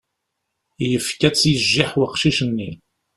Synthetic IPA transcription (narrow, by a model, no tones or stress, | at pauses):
jəfkæt͡sːjəʒːiħwqʃiʃənːi